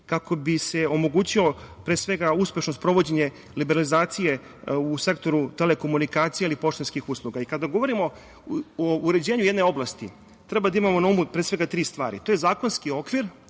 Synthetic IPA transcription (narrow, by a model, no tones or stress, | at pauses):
kakʰo̞bise̞o̞mo̞ɡuːt͡ɕilo̞pɾesʋe̞ɡauspʲje̞ʃnost̪pɾo̞ʋo̞d͡ʑeɲe̞ | libeɾalizaːt̪sije̞ | use̞kt̪o̞ɾut̪e̞leko̞munikaːt̪sijeilipo̞ʃt̪enskixuːslˠuɡaikad̪aɡoʋo̞ɾimo̞ | ouɾed͡ʑiːʋaɲujed̪neo̞blˠast̪i | t̪ɾe̞bad̪aimamo̞naumupɾesʋe̞ɡat̪ɾiːst̪ʋaːɾḭt̪oːje̞zaːko̞nskio̞kʋiɾ